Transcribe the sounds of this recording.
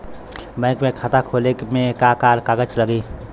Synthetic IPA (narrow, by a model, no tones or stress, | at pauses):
bɛ̃ːkmẽkʰat̪akʰoːlekmẽkakaːɾkaɡət͡ʃləɡiː